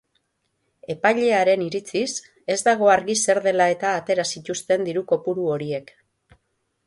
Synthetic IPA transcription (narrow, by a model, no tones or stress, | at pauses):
e̞pajʎe̞aɾe̞niɾit͡sis | e̞zd̪aɣ̞o̞aɾɣise̞ɾðe̞lae̞t̪aːt̪e̞ɾasit̪ust̪e̞nd̪iɾuko̞puɾuo̞ɾie̞k